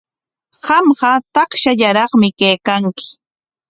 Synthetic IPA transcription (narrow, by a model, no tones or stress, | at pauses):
ɢɑmɢɑt̪ɑχʃaʎaɾɑχmɪkejkaŋkɪ̥